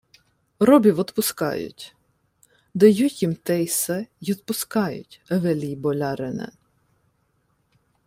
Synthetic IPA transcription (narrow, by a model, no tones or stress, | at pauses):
ɾɔbʲiwɔt̪pʊskɑ̰jʊ̰tʲ | d̪ɐjutʲjimt̪ɛjsɛjɔt̪̚pʊskɑjʊ̰tʲɐʋɛlʲijbɔlʲɑɾɪnɛ̰